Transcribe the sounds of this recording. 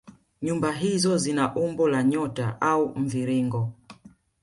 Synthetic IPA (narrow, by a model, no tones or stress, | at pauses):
ɲumbaɦizɔzinaʔumbɔlaɲɔtaʔaum̩viɾiŋɡɔ